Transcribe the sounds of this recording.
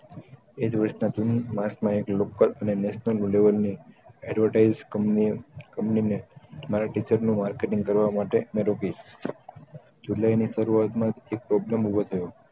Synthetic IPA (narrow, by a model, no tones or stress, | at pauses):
ed͡ʒʋəɾʃnad͡ʒunimãsmãeklokələnenɛʃnəlleʋəlniɛɖʋəɾʈaid͡ʒ | kə̃mpninemaɾaʈit͡ʃəɾnũmaɾkeʈĩŋɡkəɾʋamaʈemeɾokiʃ | d͡ʒulainiʃəɾuat̪mãt̪ek̚pɾɔbləmubʱot̪ʰəjo